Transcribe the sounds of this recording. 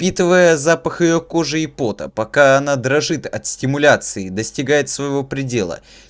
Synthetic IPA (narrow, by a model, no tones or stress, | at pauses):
pʲit̪ɨvəjəzapəxɨjoko̞ʐɨɪpo̞t̪ə̰pɐkaɐnad̪ɾɐʐɨt̪ɐt̪sʲtʲɪmʊlʲat̪sɨɪd̪əsʲtʲɪɡajɪt̪svəjɪvo̞pɾʲɪdʲe̞lˠə̰